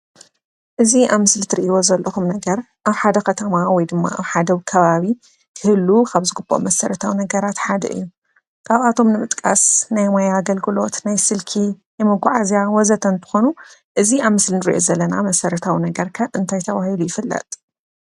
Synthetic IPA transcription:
ʔɨziʔaβmɨslit̪ʰɨɾiʔiwo̞zɐlːɐxumnɐɡɐɾ | ʔaβħad̪ɐkʰɐt̪ʰɐmawɔjd̪ɨmːa̰ʔa̰βħad̪ɐwɨkʰɐβaβi | kʰɨhɨlːukʰaβzɨɡɨbːoʔmɐsɐɾɐt̪ʰawinɐɡɐɾat̪ħad̪ɐ̰ʔɨ̰jːu | kʰaβat̪ʰo̞mnɨmɨt̪ʼkʼasnajmajaɡɐlɡɨlo̞t̪najsɨlkʰijɛmɨɡʷaʕazjawɔzɐt̪ʰɐnt̪ʰɨ̥xo̞nuʔɨziaβmɨslinɨɾḭʔo̞zɐlːɐnamɐsɐɾɐt̪ʰawinɐɡɐɾkʰɐʔɨnt̪ʰajt̪ʰɐβahilujɪfɨlːɐ̰t̪ʼ

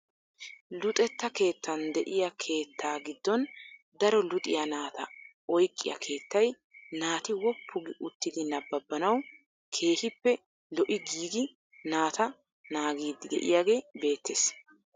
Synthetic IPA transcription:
lʊt̪ʼɛt̪ːɐke̞ːt̪ːɐnd̪ɛʔɪjɐkʰe̞ːt̪ʰːaːɡɪd̪ːɔn | d̪ɐɾɔlʊt̪ʼɪjɐnaːt̪ɐ | ɔjkʼːɪ̰jɐ̰kʰe̞ːt̪ːɐj | naːt̪ɪwɔpʰːʊɡɪʔʊt̪ːɪd̪ɪnɐbːɐbːɐnɐw | kʰe̞ːhɪpːɛ | lɔʔɪɡiːɡɪ | naːt̪ɐ | naːɡiːd̪ːɪɡ̪ɛ̰ʔɪ̰jaːɡe̞ːbe̞ːt̪ʰːes

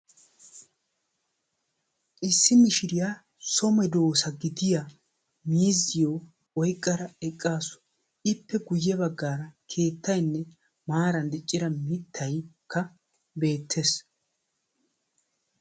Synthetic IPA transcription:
ʔɪsːɪmɪʃɪɾɪja | sɔmɛd̪o̞ːsɐɡɪd̪ɪja | miːzːɪjoː | wɔjkʼːɐɾɐɛkʼːaːsɔ̥ | ɪpːɛɡʊjːɛbɐɡːaːɾɐkʰe̞ːt̪ːɐjnːɛ | maːɾɐnd̪ɪt͡ʃʼːɪɾɐmɪt̪ʰːɐjkʰːɐ | be̞ːt̪ʰːes

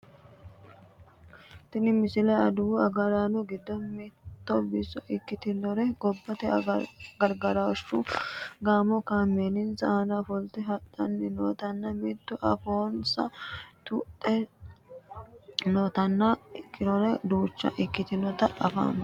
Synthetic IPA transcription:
t̪ɪnɪmɪsɪlɛɐd̪uɐɡɐɾaːnɔɡɪd̪ːɔnmit̪ːɔbɪsɔʔɪkːɪt̪ɪnɔɾɛɡɔbːɐt̪ɛɡɐɾɡɐɾaʃːuɡaːmɔkaːmːenɪnsɐɐnafɔlt̪ɛɦɐt̪ːɐnːɪnoːt̪ɐnːɐmit̪ːʊʔɐfoːnsɐt̪ut̪ʼːɛ | noːt̪ɐnːɐɪkʰːɪlɔɾɛd̪uːt͡ʃːɐ̰ʔɪkːɪt̪ɪnɔt̪ɐɐfa̰n

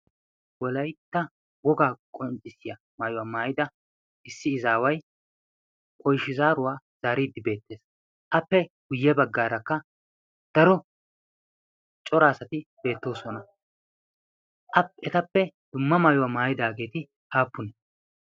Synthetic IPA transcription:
wɔlɐjt̪ːɐ | wɔɡaːkʼɔnt͡ʃʼːɪsɪjɐ | maːjʊwaːmaːjɪd̪ɐ | ʔɪsːɪɪzaːwɐj | kʼɔjʃɪzaːɾʊwaː | z̥aːɾiːd̪ːɪbe̞ːt̪ːe̞ːs | ʔɐpːɛɡ̥ʊjːɛbɐɡːaːɾɐkːɐ | d̪̥ɐɾɔ | t͡ʃʼɔɾaːsɐt̪ɪb̥e̞ːt̪ːo̞ːsɔnɐ | ʔɐpɛt̪ɐpːɛ | d̪̥ʊmːɐmaːjʊwaːmaːjɪd̪aːɡe̞ːt̪ɪ | haːpːʊnɛ

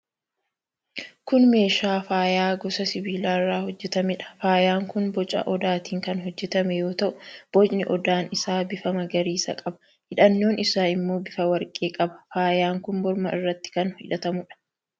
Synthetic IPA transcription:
kʊnme̞ːʃaːfaːjaːɡɔsɐsɪbiːlaːɪrːaːhɔd͡ʒːɛt̪ɐmɪᶑɐ̥faːjaːŋkʊnbɔt͡ʃʼɐ̰ʔɔd̪aːt̪iːŋkɐnɦɔd͡ʒːɛt̪ɐmɛjo̞ːt̪ɐʔʊb̥ɔd͡ʒnɪʔɔd̪aːnɪsaːbɪfɐmɐɡɐɾiːsɐ̰kʼɐbɐ̥ | hɪᶑɐnːo̞ːnɪsaːɪmːo̞ːbɪfɐwɐɾkʼeːkʼɐbɐ̥faːjaːŋkʊnbɔɾmɐɪ̰rːɐt̪ːɪ̥kɐnhɪ̰ᶑɐt̪ɐmʊᶑɐ̥

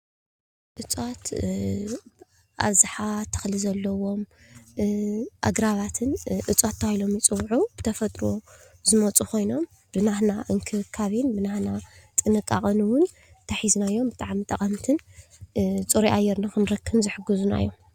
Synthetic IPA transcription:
ʔɨt͡sʼot̪ | ʔa̰βzɨħat̪ʰːɐ̥xlizɐlːɐwo̞m | ʔa̰ɡɾaβat̪ʰɨnʔɨt͡sʼat̪ʰːaajilo̞mjɨt͡sʼɨwʕub̥ɨt̪ʰɐfɐt̪ʼɾo | zɨmɐt͡sʼukʰo̞jno̞m | b̥ɨnahnaʔɨŋkʰɨkʰːaβinbɨnahnat̪ʼɨnɨkʼːaχʼɨnwʊn | t̪ʰɐħizunajːo̞mbɨt̪ʼaʕmit̪ʼɐkʼɐmt̪ʰɨn | t͡sʼuɾiʔajːɛɾnakʰɨnɾɐkʰːɨβzɨħɨɡɨzuna̰jːom

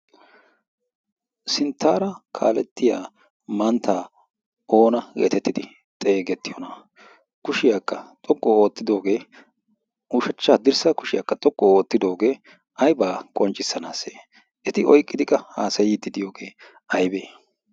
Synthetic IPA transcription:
sɪnt̪ːaːɾɐkʰa̰ːlɛt̪ːɪjaː | mɐnt̪ːaː | o̞ːnɐɡḛːt̪ɛt̪ːɪd̪ɪ | t̪ʼe̞ːɡɛt̪ːɪjɔnɐ | kʊʃɪjaːkːɐt̪ʼɔɡʼːɔoːt̪ːɪd̪o̞ːɡe̞ː | uːʃɐt͡ʃːaːd̪ɪɾsɐkʊʃɪjakːɐt̪ʼɔɡːɔoːt̪ːɪd̪o̞ːɡe̞ː | ɐjbaːkʼɔnt͡ʃʼːɪsːɐnaːseː | ʔɛt̪ɪɔjkʼːɪd̪ɪkʼːɐhaːsɐjɪd̪ːɪd̪ɪjo̞ːɡe̞ː | ɐjbeː

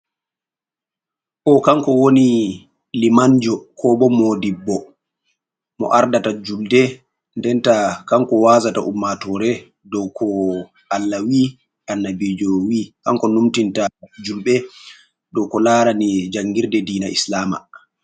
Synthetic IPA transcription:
ʔɔkaŋkɔwoni | limaɲd͡ʒɔkʰɔbɔmoːdibɔ | mɔ̰ʔaɾdatad͡ʒuldɛ | ndɛntakaŋkɔwazata̰ʔumːatɔɾɛ | dɔwkʰɔ | ʔalːawi | ʔanːabid͡ʒɔwikaŋkɔnumtintad͡ʒulɓɛ | dɔwkɔlaːɾanid͡ʒaŋɡiɾdɛdiːnaʔislaːma̰

